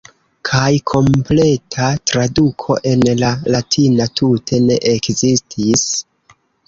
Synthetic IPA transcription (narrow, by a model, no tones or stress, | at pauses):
kʰajkʰo̞mple̞tʰatɾadukʰo̞̰ʔe̞nlalatʰinatʰutʰe̞ne̞ʔekzistʰis